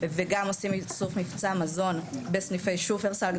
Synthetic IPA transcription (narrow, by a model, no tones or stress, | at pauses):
veɡamosimsufmift͡samazo̞nbesnifejʃufeʁsalɡ